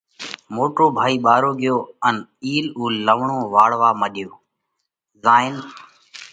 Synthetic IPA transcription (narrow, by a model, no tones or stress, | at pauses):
moːʈoːbʱaːiːɓaːɾoːɡɪjoːəniːluːləʋɳõːʋaːɽʋaːməɗɪjoː | zaːɪn